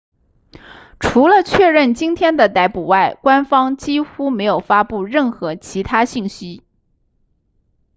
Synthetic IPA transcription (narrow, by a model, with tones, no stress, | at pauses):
ʈ͡ʂʰu˧˥lə˧t͡ɕʰɥɛ˥˧ɻə˥˩nt͡ɕi˥nt̪ʰjɛ˥nd̪ə˨t̪a˧˥ɪpu˨˩wa˥˩ɪkwa˥nfɑ˥ŋt͡ɕi˥xu˥me˧˥ɪjo˨˩ʊfa˥pu˥˧ɻə˥˩nxɤ˧˥t͡ɕʰi˧˥t̪ʰa˥ɕi˥˩ŋɕi˥